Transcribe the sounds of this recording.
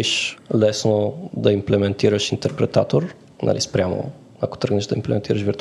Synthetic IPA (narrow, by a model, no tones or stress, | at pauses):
iʃlɛsnod̪ɐimplɛmɛnt̪iɾəʃint̪ɛɾpɾɛt̪at̪oɾ | nʔa̰lʔḭspɾʲjamo̰ | ako̥t̪ɾəɡnɛʒd̪ɐimplɛ̰mɛnt̪iɾɐʃviɾt̪